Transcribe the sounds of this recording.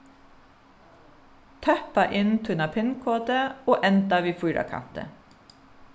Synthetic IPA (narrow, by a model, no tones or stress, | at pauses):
t̪ʰœpɑʔɪnt̪ʰʉnɑpʰɪnkʰoːt̪əoːʔɛnt̪ɑʋiːfʊːɾʔɑ̰kʰɑ̰nt̪ə̰